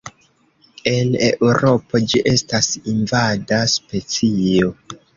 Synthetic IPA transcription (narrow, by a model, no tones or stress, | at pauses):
e̞ne̞̰ʔuɾo̞po̞d͡ʒiʔe̞stasinvadaspe̞t͡sio̞